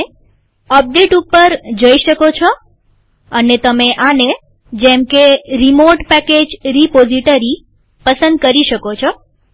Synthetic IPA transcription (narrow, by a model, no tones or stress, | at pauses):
əp̚ɖeʈupəɾd͡ʒəiʃəkot͡ʃʰo | ənet̪əmeʔane | d͡ʒemkeɾimoʈpɛked͡ʒɾipoziʈəɾi | pəsə̃nd̪̚kəɾiʃəkot͡ʃʰo